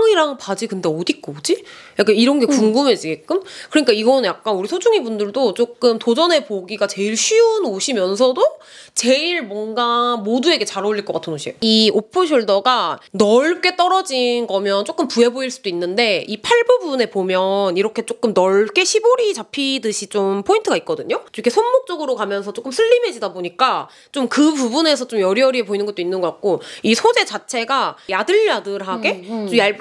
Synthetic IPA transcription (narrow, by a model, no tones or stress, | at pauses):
ŋiɾaŋpad͡ʑikɯnde̞ʌdik͈ood͡ʑijak͈aniɾʌnɡe̞kuŋɡɯme̞d͡ʑiɡek͈ɯmkɯɾʌɲik͈aiɡʌnɯnjak̚k͈anuɾisʰod͡ʑuŋibundɯɭdot͡ɕ͈ok͈̚ɯmtod͡ʑʌne̞poɡiɡat͡ɕe̞iɭɕʰɥiunoɕʰimjʌnsʰʌdo | t͡ɕe̞iɭmwʌnɡamodue̞ɡe̞t͡ɕaɾʌʎːiɭkʌk͈atʰɯnoɕʰieiopʰɯɕ̬ʰoɭdʌɡanʌɭk͈e̞t͈ʌɾʌd͡ʑinɡʌmjʌnt͡ɕ͈ok͈ɯmpue̞boiɭs͈udoinːɯnde̞ipʰaɭbubune̞pomjʌniɾʌkʰe̞t͡ɕ͈ok͈ɯmnʌɭk͈e̞ɕʰiboɾit͡ɕapʰidɯɕʰit͡ɕompʰointʰɯɡait̚k͈ʌdɯɲot͡ɕ͈ikʰe̞sʰonmok̚t͡ɕ͈ʌɡɯɾokamjʌnsʰʌt͡ɕ͈ok͈ɯmsʰɯʎːimɦe̞d͡ʑidaboɲik͈a | t͡ɕ͈omkɯpubune̞sʰʌt͡ɕ͈omjʌɾiʌɾiepoinɯnɡʌt͈oinːɯnɡʌkat̚k͈oisʰod͡ʑe̞t͡ɕat͡ɕʰe̞ɡajadɯɭːadɯɾɦaɡe̞t͡ɕ͈ojaɭ